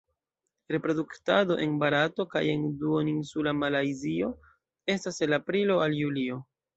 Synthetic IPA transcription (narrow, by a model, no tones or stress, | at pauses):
ɾe̞pɾo̞duktado̞ʔe̞nbaɾato̞ka̰je̞nduoninsulamalajzio̞ | e̞staselapɾilo̞aljulio̞